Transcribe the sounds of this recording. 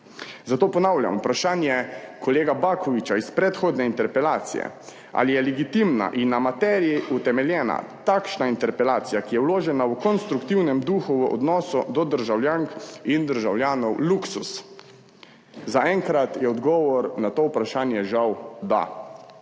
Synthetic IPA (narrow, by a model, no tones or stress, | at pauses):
zat̪oːpɔnawlja̰mupɾaʃaːnjɛkʰɔleːɡabakʰɔʋit͡ʃaispɾɛt̪xoːd̪nɛint̪ɛɾpɛlaːt̪sijɛ̰ | a̰lijɛlɛɡit̪imna̰ʔinːamat̪ɛːɾijiʔut̪ɛmɛljɛːna̰t̪akʃnaint̪ɛɾpɛlaːt̪sijakijɛwloːʒɛnawkɔnst̪ɾukt̪iwnɛmd̪uxuʋəʔɔ̰d̪nɔːsud̪ɔd̪əɾʒawljaːŋkind̪əɾʒawljaːnɔwluksus | zaɛŋkɾat̪jɛɔd̪ɡɔːʋɔɾnat̪oːwpɾaʃaːnjɛʒawd̪a̰